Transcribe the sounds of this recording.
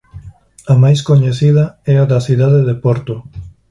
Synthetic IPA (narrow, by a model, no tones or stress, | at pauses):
ɐmajs̬koɲeθiðɐɛaðɐθiðaðeðepɔɾt̪ʊ